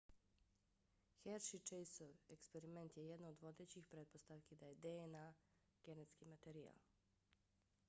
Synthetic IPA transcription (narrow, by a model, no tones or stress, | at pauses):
xeɾʃit͡ʃejsoʋekspeɾiment̪jejɛd̪nood̪ʋo̞d̪eːt͡ɕixpɾet̪̚po̞st̪aʋkid̪ajed̪eena | ɡ̥enet̪skimat̪eɾia̰l